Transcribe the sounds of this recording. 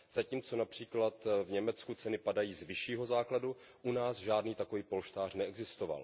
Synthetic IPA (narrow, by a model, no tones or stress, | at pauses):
z̥aciːmt͡so̞napr̝̥iːklat̪vɲɛmɛt͡skut͡sɛnɪpadajiːzvɪʃiːɦo̞zaːkladu | ʔunaːsʒaːdniːt̪ako̞viːpo̞lʃt̪aːr̝nɛɛɡzɪst̪o̞va̰l